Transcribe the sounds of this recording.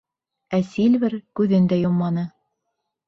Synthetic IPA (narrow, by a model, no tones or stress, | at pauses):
æsilβɘɾkʉðɘnd̪æjomːɑnɤ